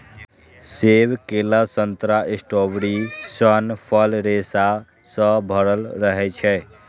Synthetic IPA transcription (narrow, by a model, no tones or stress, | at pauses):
sebkeləsənt̪ɾaʔisʈobɽisənpʰəlɾesa | sə̃bʱəɾəlɾəɦɛt͡ʃʰɛ